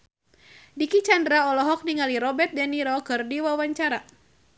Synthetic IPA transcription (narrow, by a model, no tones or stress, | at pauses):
dikit͡ʃandɾaɔlɔɦɔk̚niŋaliɾɔbɛrt̪̚dɛniɾɔkɨrdiwawaɲt͡ʃaɾa